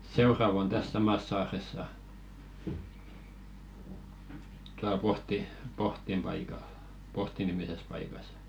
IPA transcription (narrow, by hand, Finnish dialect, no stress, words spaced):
seurɑʋ on tæs sɑmɑs sɑːresːɑ tuɑl pohti pohtim pɑikɑl pohti nimises pɑikɑs